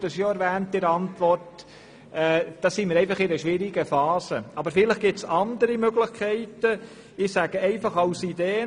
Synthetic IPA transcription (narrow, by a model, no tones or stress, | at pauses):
d̥əsjoɛɾvæːntːɪɾɑntʋɔrt | ɛd̥ɑːsiːmɪɾɛɪfɑχɪnəʃʋɪɾiɡəfɑːsəɑbəɾfɪləχɡ̥ɪtsɑndəɾimøɡlɪχkʰɛɪtə | ɪsæɡ̥əɛɪfɑχɑʊsideː